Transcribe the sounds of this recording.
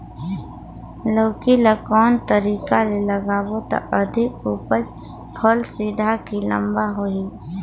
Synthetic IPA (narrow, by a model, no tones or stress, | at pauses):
loːkilakɔːnt̪əɾiːkaleləɡaːwot̪a̰ʔəd̪ʱɪkuːpəd͡ʒ | pʰɔlsid̪ʱakilə̰̃mbaɦoiː